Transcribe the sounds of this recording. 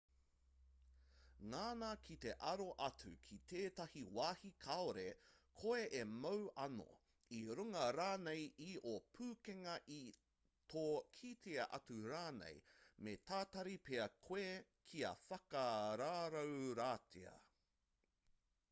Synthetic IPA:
ŋaːnakʰit̪e̞ʔɐɾoʔɐt͡sʉkʰit̪ʰeːt̪ɐhiwaːhikʰɐoɾekʰoeʔemɐwɐno̰ | iɾuŋɐɾaːnejiʔopʰʉːkeŋɐʔi | t̪ʰoːkʰiːt̪ʰeɐʔɐt͡suɾaːnḛjmet̪aːt̪ɐɾipeɐkʰwe | kʰiɐ̰fɐkɐɾaːɾɐwɾaːtʰḛɐ̰

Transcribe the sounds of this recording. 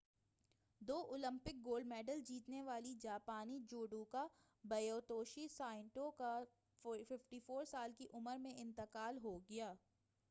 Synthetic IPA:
d̪oːʔʊlə̃mpɪk̚ɡoːlɖmɛːɖəld͡ʒiːt̪neʋaːlid͡ʒaːpaːnid͡ʒoːɖũka | bɐjoːt̪oːʃisaːɪ̃ɳʈõka | fɪfʈiːfoːɾsaːlkiʔʊməɾmẽʔɪ̃nt̪ɪqaːlɦoɡɐjaː

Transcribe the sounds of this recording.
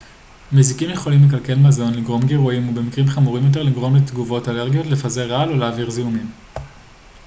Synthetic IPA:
mezikimje̞χo̞limle̞k̬alke̞lmazo̞nliɡʁo̞mɡeʁuimube̞mikʁimχamuʁimjo̞t̬e̞ʁliɡʁo̞mlet̪ɡuvo̞taleʁɡijo̞tle̞faze̞ʁaloleːviʁziumim

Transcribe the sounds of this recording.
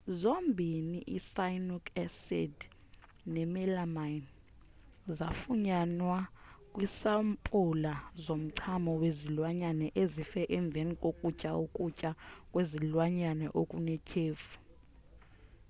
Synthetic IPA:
zombʱiniʔisajnukʰɛsɛ̰d | nɛmɛlamajn | zafuɲanwakʼwisampʼulazom̩ǀʰamɔwezilwaɲanɛʔezifɛʔɛɱb̪vʱenikʼokʼucʼaokʼucʼakʼwezilwaɲanɛʔokʼunɛcʼʰeːfu̥

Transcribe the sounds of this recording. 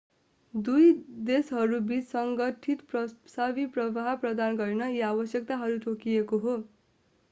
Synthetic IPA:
d̪ujd̪esɦʌɾubit͡ssʌŋɡʌʈʰit̪prʌsabiprʌbaɦprʌd̪anɡʌɾinʌiabʌsjʌk̚t̪aɦʌɾuʈokijekoɦo

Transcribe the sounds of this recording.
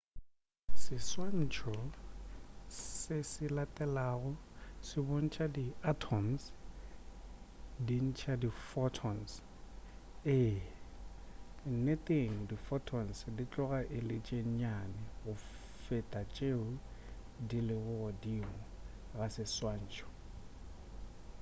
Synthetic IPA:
sɪswan̩t͡ʃʰɔ | sɪsɪlatʼɛlaːɣʊsɪboŋ̩t͡ʃʼadiatʰɔms | din̩t͡ʃʰʼadifɔtʰɔns | ɪ | n̩netʼeŋ̩difɔtʰɔnsdit͡ɬʼɔɣaʔɪlɪt͡ʃʼeŋ̩ɲanɪɣʊ | fɪtʼat͡ʃʼeʊ | dilɪɣʊɣɔdiŋɔ | ɣasɪswan̩ːt͡ʃʰʼɔ̥

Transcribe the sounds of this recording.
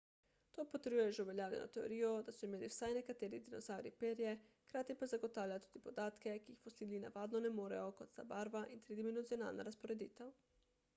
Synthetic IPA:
t̪oːpɔt̪ɛɾjujɛʒɛuʋɛljaːwljɛ̰nɔ̰t̪ɛo̰ɾiːjɔd̪asɔimeːliwsajnɛkat̪eːɾid̪inɔzaːwɾḭpeːɾjɛxkɾaːt̪jipazaɡɔt̪aːwljat̪uːd̪ipɔd̪aːt̪kɛkiːxfɔsiːlina̰ʋaːd̪nɔnɛmoːɾɛ̰jɔkɔt̪t̪a̰baːɾʋaʔint̪ɾid̪imɛnuziɔna̰ːlna̰ɾaspoɾɛd̪ḭːt̪ɛw

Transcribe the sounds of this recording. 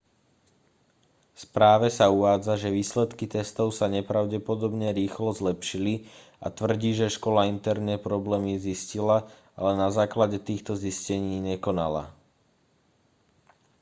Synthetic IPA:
fspɾaːʋɛsauʋaːd͡zaʒɛʋiːslɛt̪kit̪ɛst̪ɔʊsaɲɛpɾaʊɟɛpɔd̪ɔbɲɛɾiːxlɔzlɛpʃili | a̰t̪ʋr̩ɟiːʒɛʃkɔlaint̪ɛɾnɛpɾɔblɛːmiziscila | alɛnazaːklaɟɛt̪iːxt̪ɔziscɛɲiːɲɛkɔna̰la̰

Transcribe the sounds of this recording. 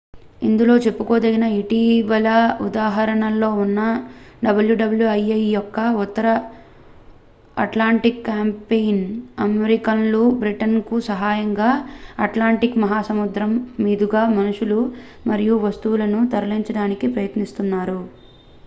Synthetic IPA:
ind̪ulo̞ːt͡ʃe̞pːuko̞ːd̪ɐɡinɐiʈiʋɐlɐud̪aːɦɐɾɐɳɐlːo̞ːunːɐɖɐbɐljuɖɐbɐljuɐjɐjjɔkːɐut̪ːɐɾɐ | ɐ̰ʈlaːɳʈikːaːmpejnɐmeɾikɐnlubɾiʈɐnkusɐɦaːjɐŋɡaːɐʈlaːɳʈikmɐɦaːsɐmud̪ɾɐmːiːd̪uɡaːmɐnuʂulu | mɐɾijuʋɐst̪uwulɐnut̪ɐɾɐliɲt͡ʃɐɽaːnikipɾɐjɐt̪nist̪unːaːɾu

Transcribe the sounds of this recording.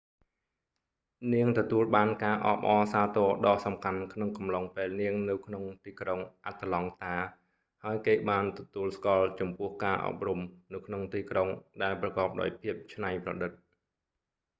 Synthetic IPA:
niəŋt̪ɔt̪uəlɓaːnkaːʔɑ̰ːɓʔɑːsaːt̪ɔːɗɑːhsɑmkʰankʰnoŋkɑmlɑŋpeːlniəŋnɨwkʰnoŋt̪iːkroŋʔat̪ːlɑŋt̪aː | haəjkeːɓaːnt̪ɔt̪uəlskŏəlt͡ɕɑmpʊ̆əhkaːʔɑ̰ːp̚rumnɨwkʰnoŋt̪iːkroŋɗaɛlprɑkɑːp̚ɗa̰ɔjpʰiəp̚t͡ɕʰnajprɑ̰ɗɨt̪̚

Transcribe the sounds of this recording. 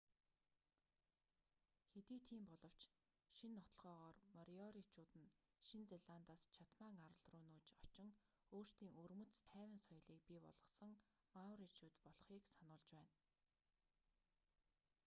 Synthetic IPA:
xet̪iːt̪ʰiːmpɔɮɞ̆w̥t͡ɕ | ʃinːɔt̪ɞ̆ɮʁɔːʁɔːrmɔɾiɔɾit͡ɕʰuːt̪ɘ̆n | ʃint͡seɮaːnt̪aːst͡ɕʰat̪maːŋaɾə̆ɮrʊːnuːt͡ɕɔt͡ɕɪ̆ŋ | oːr̥st̪iːŋɵrmɵ̆t͡st̪ʰæːwʲɪ̆nsɔj̆ɮiːk̚pipɔ̰ɮ̥ʁɞ̆sɞ̆ŋ | mawɾit͡ɕʰuːt̪pɔɮ̆χiːksanʊːɮt͡ɕpæːn

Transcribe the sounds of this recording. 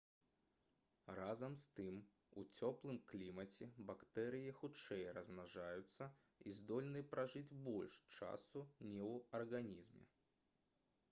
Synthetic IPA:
ɾazɐmst̪ɨm | ṵt͡sʲɔplˠɨmklʲimɐt͡sʲɛbakt̪ɛɾɨjixut͡ʂɛjɾɐzmnaʐajʊt̪sːɐ | izd̪ɔlʲnɨpɾaʐɨd͡zʲbɔlʲʂt͡ʂa̰sunʲɛwɐrɣanʲizmʲɛ̰

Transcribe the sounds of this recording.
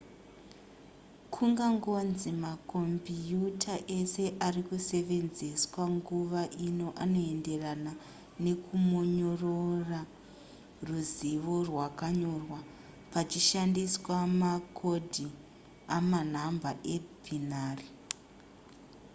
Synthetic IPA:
kʰuŋɡaŋɡonzimakombijutʰaʔe̞se̞ʔarikuse̞ʋe̞nze̞swaŋɡuʋaʔino̞ʔano̞e̞nde̞rana | ne̞kʰumoɲo̞rora | ruziʋo̞rwakaɲo̞rwa | pat͡ʃiʃandiswamakʰo̞dʱi | aman̤ambaʔebʱinaːri

